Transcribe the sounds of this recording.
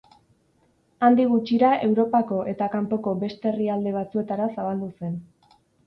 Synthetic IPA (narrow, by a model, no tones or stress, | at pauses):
and̪iɣ̞ut͡ʃiɾae̞wɾo̞pako̞ʔe̞t̪akampo̞ko̞be̞st̪e̞ːriald̪e̞β̞at͡sue̞t̪aɾasaβald̪use̞n